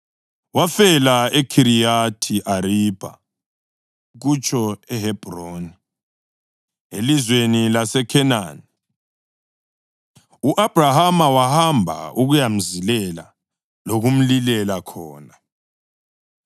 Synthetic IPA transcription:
wafɛlaekʰiɾijatʰiʔaɾib̥ʱa̰ | ɣut͡ʃʰʼɔɛhɛb̥ʱroːni | elizwenilasɛkʰɛna̰ːni | uʔab̥ʱrahamawahambʱa̰uɣujam̩zilɛla̰ | loɣum̩lilɛlakʰɔːna

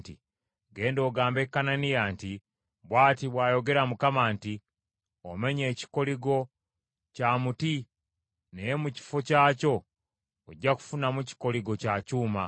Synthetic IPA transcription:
tḭ | ɡe̞ːndo̞ːɡaːmbe̞kːananijaːnti | βwaːtiβwaːjo̞ɡe̞ɾamukamaːnti | ome̞ɲe̞ːci̥ko̞liɡo̞ | camuti | nejemuci̥focaːco̞ | oɟːaku̥funamuci̥ko̞liɡo̞cacuːma

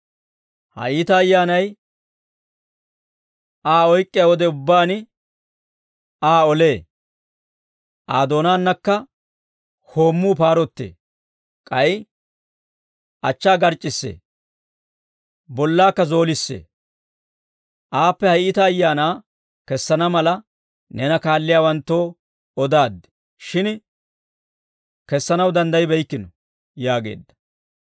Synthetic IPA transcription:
hɐ̰ʔiːt̪ɐːjːaːnɐj | ʔaːɔjkʼːɪjawɔd̪ɛʊbːaːnɪ | aːɔle̞ː | ʔaːd̪o̞ːnaːnːɐkːɐ | ho̞ːmːuːpaːɾɔt̪ːḛː | kʼɐj | ʔɐt͡ʃːaːɡɐɾt͡ʃʼːɪsːḛː | bɔlːaːkːɐzo̞ːlɪsːḛː | ʔaːpːɛhɐjʔɪt̪ɐːjːaːnaː | kɛsːɐnɐmɐlɐ | nɛnɐkaːlːɪjaːwɐnt̪ːo̞ː | ɔd̪aːd̪ːɛ̥ | ʃɪn | kɛsːɐnɐwd̪ɐnd̪ɐjbɛjkːɪnɔ | jaːɡe̞̰ːd̪ːɐ̥

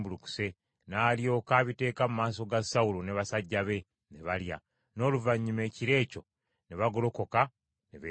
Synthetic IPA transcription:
buluku̥se̞ | naːljo̞ːkaːβite̞ːkamumaːs̬o̞ɡasawuloneβasaɟːaβe̞ | neβalja̰ | no̞ːluvaɲːime̞ːciɾe̞ːco̞ | neβaɡo̞lo̞ko̞ka | neβe

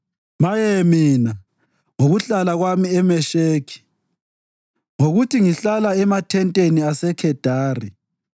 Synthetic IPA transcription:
majemiːna | ŋoɣuɬalaɣwamiɛmɛʃeːkʰi̥ | ŋoɣutʰiŋiɬalaɛmatʰɛntʼeniasɛkʰɛd̥ʱaːri

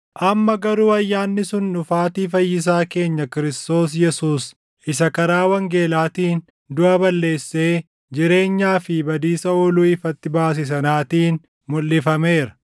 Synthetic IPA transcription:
ʔɐmːɐɡɐɾuːɐjːaːnːɪsʊnːʊfaːt̪iːfɐjːɪs̬aːke̞ːɲːɐkɪɾɪst̪o̞ːs̬jɛsuːs | ɪsɐkɐɾaːwɐŋɡe̞ːlaːt̪iːn | d̪ʊʔɐbɐlːe̞ːsːeː | d͡ʒɪɾe̞ːɲːaːfɪbɐd̪iːsɐɔːluːɪfɐt̪ːɪbaːs̬ɪs̬ɐnaːt̪iːn | mʊlːɪfɐme̞ːɾɐ̥

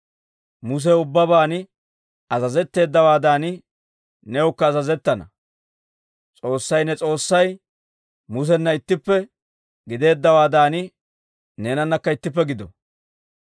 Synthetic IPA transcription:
mʊs̬ɛʊbːɐbaːnɪ | ɐzɐzɛt̪ːe̞ːd̪ːɐwaːd̪aːnɪ | nɛʊkːɐːzɐzɛt̪ːɐnɐ̰ | t͡sʼo̞ːsːɐjnɛt͡sʼo̞ːsːɐj | mʊs̬ɛnːɐɪt̪ːɪpːɛ | ɡɪd̪e̞ːd̪ːɐwaːd̪aːnɪ | ne̞ːnɐnːɐkːɐɪt̪ːɪp̬ːɛɡɪd̪ɔ̰

